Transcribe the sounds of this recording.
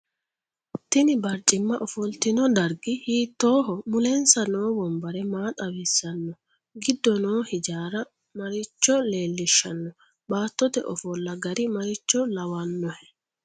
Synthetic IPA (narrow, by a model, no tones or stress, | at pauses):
t̪ɪnɪbɐɾt͡ʃʼːɪmːɐʔɔfɔlt̪ɪnɔd̪ɐɾɡɪhiːt̪ːoːɦɔmʊlɛnsɐnoːbɔmbɐɾɛmaːt̪ʼɐwiːsːɐnːɔ | ɡɪd̪ːɔnoːhɪd͡ʒaːɾɐ | mɐɾɪt͡ʃːɔle̞ːlːɪʃːɐnːɔ | baːt̪ːɔt̪ɛ̰ʔɔfɔlːɐɡɐɾɪmɐɾɪt͡ʃːɔlɐwɐnːɔhɛ